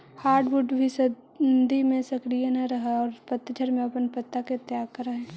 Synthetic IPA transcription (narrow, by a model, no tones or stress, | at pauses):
haːɾɖbuɖbʱisɐ | d̪ʱimẽsɐkɾijanɐɾɐɦaɔːɾpɐt̪ːd͡ʒʰʱəɾmẽɐpənpɐt̪ːaket̪ːjaːɡ̚kɐɾɐɦɛ̃ː